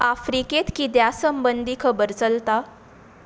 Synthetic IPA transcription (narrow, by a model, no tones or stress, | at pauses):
afɾiket̪kid̪jasəmbənd̪ʱikʰəbəɾt͡səlt̪a